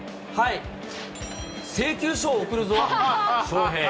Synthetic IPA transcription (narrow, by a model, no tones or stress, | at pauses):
hai | se̞ːkʲɨːɕoːkɯ̟ɾɯ̟zoːsooːɦe